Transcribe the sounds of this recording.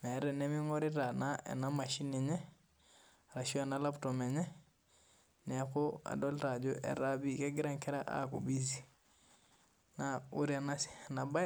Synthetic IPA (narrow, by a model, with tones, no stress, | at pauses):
mɛ˨˦ɾɛ˨nɛ˦mi˦ŋɔ˦ɾɪ˦ɾa˨na˦ʔɛ̰˨na˦ma˨ʃi˦nɛ˨ɲɛ˦ | ɾa˨ʃi˦o˦ɛ˨na˦la˦ptɔ˨mɛ˨ɲɛ˦ | nɛ˨˦ko˦a̰˨dɔ˦lɾa˨d͡ʒo˦ʔɛ̰˨ɾa˦bi˦kɛ˦ɡɪ˦ɾa˦ŋkɛ˦ɾa˦ʔa̰˦kṵ˨bi˦zi˨ | na˨u˦ɾi˦a˨na˦si̥˨na˨ba˦